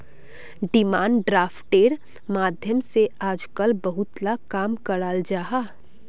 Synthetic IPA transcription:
ɖɪmaːɳɖɾaːfʈeːɾ | maːd̪ʱjəmseaːd͡ʒkəlbɐɦʊt̪lakaːmkɐɽaːld͡ʒaːɦaː

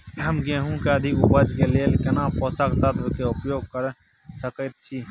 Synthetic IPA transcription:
əmɡẽɦũkeəd̪ʱikʊbəd͡ʒkeleːlkɪnãːpɔːsəkt̪ət̪ʋkeʊpjoːɡ̚kəɾ | səkət̪t͡ʃʰiː

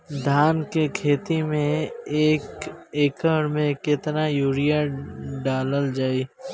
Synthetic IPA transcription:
d̪ʱaːnkekʰeːt̪imẽeːkeːkəɽmẽkɪt̪najuːɾijaɖaːləld͡ʒaːiː

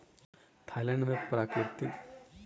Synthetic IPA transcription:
t̪ʰaljanʋepɾakɾit̪it̪

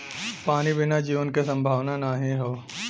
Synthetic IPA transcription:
paːnibɪnad͡ʒiːʋənkesɐ̃mbʱaːʋnanaːɦĩɦoː

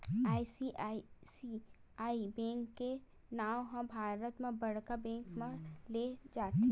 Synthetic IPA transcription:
aːisiaisi | aːibɛ̃ːŋkːe | naːwɦɐ̃bʱaːɾət̪mẽbɐɽkabɛ̃ːŋkmẽled͡ʒaːt̪ː

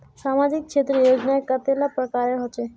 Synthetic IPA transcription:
ʃamad͡ʑik̚t͡ʃʰet̪ɾejod͡ʑnaekːəɾt̪jelapɾɔkaɾeɾɦɔtːʃʰe

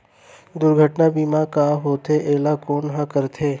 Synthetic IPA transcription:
d̪ʊɾɡʱəʈnabiːmãkaːɦoːt̪ʰeʔeːlakoːnɦãkəɾt̪ʰeː

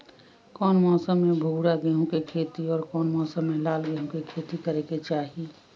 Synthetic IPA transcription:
kɔːnmɔːsəmːẽbʱuːɽaɡeɦõkekʰeːt̪iɔːɾkɔːnmɔːsəmːẽlaːlɡeɦõkekʰeːt̪ikəɾeket͡ʃaːɦi

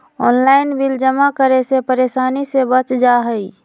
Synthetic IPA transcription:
ɔ̰ːnlaːɪnbild͡ʒəmakəɾesepəɾeːsaːnisebət͡ʃd͡ʒaɦəi

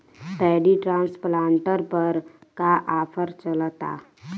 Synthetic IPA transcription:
p̪ɛːɖiʈɾãːnsplãːɳʈəɾpəɾkaʔaːpʰəɾt͡ʃəlt̪a̰ː

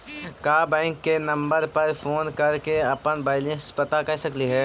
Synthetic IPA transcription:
kaːbɛ̃ːŋkːenɐ̃mbəɾpɐɾfʰoːnkɐɾkeɐpənbaːɪlẽspɐt̪akɐɾsɐkliɦɛː

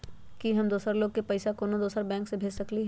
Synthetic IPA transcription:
kiɦɐmd̪oːsəɾloːɡ̚kepɐɪsakoːnod̪oːsəɾbɛ̃ːŋksebʱeːd͡ʒsɐkliɦ

